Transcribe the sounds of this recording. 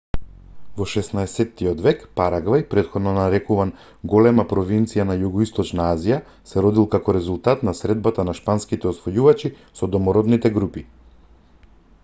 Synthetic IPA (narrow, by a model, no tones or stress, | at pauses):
vɔʃɛsnaɛsɛt̪ːijɔd̪vɛkpaɾaɡvajpɾɛt̪xɔd̪nɔnaɾɛkuvan | ɡɔlɛmapɾɔvint̪sijanajuɡɔist̪ɔt͡ʃnaazija | sɛɾɔd̪ilˠkakɔɾɛzulˠt̪at̪nasɾɛd̪̚bat̪anaʃpanskit̪ɛɔsvɔjuvat͡ʃi | sɔd̪ɔmɔɾɔd̪nit̪ɛɡɾupi